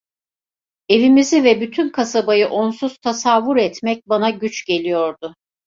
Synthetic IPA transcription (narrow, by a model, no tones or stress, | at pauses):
e̞vimizivɛbyt̪ʰynkʰasabajɯʔo̞nsuz̥t̪ʰasavːuɾɛt̪mɛc̚banaɟyt͡ʃɟe̞lʲijo̞ɾd̪ʊ